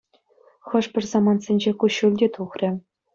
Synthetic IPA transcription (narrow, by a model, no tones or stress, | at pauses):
χɤ̆ʂpʲɘ̆rʲzɑmɑnsʲenʲd͡ʑekuɕulʲdʲet̪uχrʲɘ̆